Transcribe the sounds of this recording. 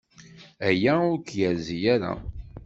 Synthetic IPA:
æjæʊɾkjəɾzijæɾa̰

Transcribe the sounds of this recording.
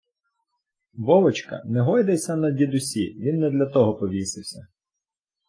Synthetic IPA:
ʋɔʋɔt͡ʃkɐ̰nɛɦɔjd̪ɐsʲɐnɐdʲid̪ʊsʲiʋʲinːɛd̪lʲɐt̪ɔɦɔpɔʋʲisɪwsʲɐ

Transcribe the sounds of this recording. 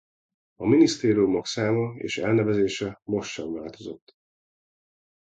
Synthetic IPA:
ɒminist̪eːɾijumoksaːmɒḛːʃɛ̰lnɛvɛzeːʃɛmo̞ʃːɒɱvaːlt̪o̞zo̞t̪ː

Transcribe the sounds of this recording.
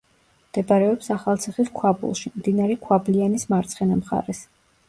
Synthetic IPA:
md̪̥ɛbaɾɛɔpsaχalˠt̪sʰiχiskʰwabṵlˠʃimd̪inaɾɛkʰwablianismaɾt̪sʰχɛnamχa̰ɾɛs

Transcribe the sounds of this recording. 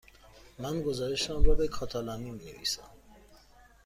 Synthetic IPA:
mænɡo̞zɒːɾe̞ʃeɔnɾɒbekʰɒːt̪ʰɒlɒmimine̞̰vḭːsæm

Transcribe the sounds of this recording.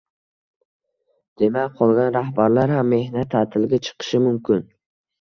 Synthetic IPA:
d̪̥e̞makʲqʰɒlˠɡʲanɾahbaɾlaɾhamːe̞hnat̪ʰːat̪ʰɪlɡʲat͡ʃʰɨ̥qʰɨ̥ʃɪmʊmkʲɪn

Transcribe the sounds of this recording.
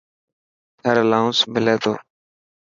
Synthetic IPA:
t̪ʰəɾlãːʊ̃smɪleːt̪ʰo̰ː

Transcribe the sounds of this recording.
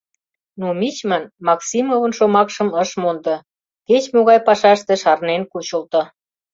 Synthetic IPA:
numit͡ɕmənmɑksimovənʃomɑkʃə̆məʃmond̪ɤ̆ | ket͡ɕmoɣɑjpɑʃɑʃt̪ĕʃɑrnenkut͡ɕə̆lt̪ɤ̆

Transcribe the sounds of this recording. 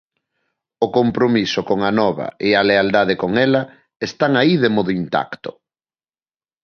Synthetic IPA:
ʊkompɾomisʊkoŋɐnɔβɐ̰ʔealeald̪aðekoŋɛlɐ | est̪aŋaiðemɔðʊint̪a̰kt̪ʊ̥

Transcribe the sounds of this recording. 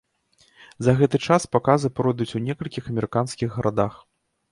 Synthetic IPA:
zɐɣɛt̪ɨt͡ʂaspakazɨpɾɔjd̪ut͡sʲunʲɛkɐlʲkʲixɐmʲɛɾɨkanskʲiɣːɐɾʔad̪ax

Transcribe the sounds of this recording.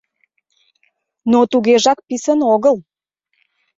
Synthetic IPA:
not̪uɣeʒɑk̚pisənoɣəl

